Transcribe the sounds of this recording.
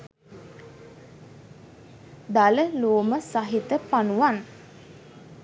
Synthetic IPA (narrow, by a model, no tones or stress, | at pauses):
d̪aləloːməsaɦit̪əpanuʋan